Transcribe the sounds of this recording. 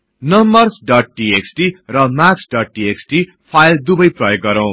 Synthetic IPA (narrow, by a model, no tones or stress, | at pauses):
nʌmbʌrsɖʌʈ̚ʈieksʈirʌmaksɖʌʈ̚ɖieksʈi | pʰajld̪ubʌjprʌjoɡ̚ɡʌɾʌw̃